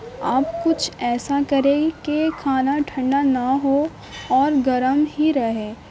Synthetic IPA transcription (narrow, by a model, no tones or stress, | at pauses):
aːp̚kʊt͡ʃʰɛːsakɐɾẽkekʰaːnaʈʰɐ̃ɳɖanaɦo | ɔːɾɡɐɾəmɦiɾɐɦẽː